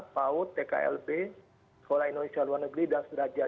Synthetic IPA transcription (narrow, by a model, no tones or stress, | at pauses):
paʊt̪ːeka̰ɛ̰lbe | sə̥kolahindonesialuarnəɡɾidansbɾad͡ʒa